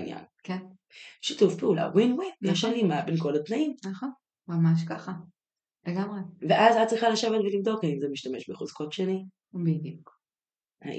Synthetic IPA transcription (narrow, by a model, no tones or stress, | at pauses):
nja̰nken | ʃituvpeula̰winwijaʃanimabenko̞latnaimnaχon | mamaʃ̬kaχa | leɡamʁeveʔazat̚t͡sʁiχalaʃe̞vetvelivd̪o̞kaimzemiʃtame̞ʃbeχuz̥ko̞tʃeni | bid̪juk | a̰